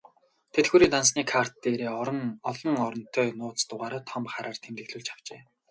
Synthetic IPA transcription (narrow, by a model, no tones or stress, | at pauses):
t̪ʰet̪ɡuːɾiːŋt̪ans̬niːkʰar̥t̪̚ːeːɾeːɔɮɞ̆ŋɔɾɞ̆n̥t̪ʰœːnʊːt̪ʊʁaːɾaːt̪ʰɔmpχaɾaːr̥t̪ʰemt̪ɘ̆kɮŭːɮt͡ɕʰḁw̥t͡ɕeː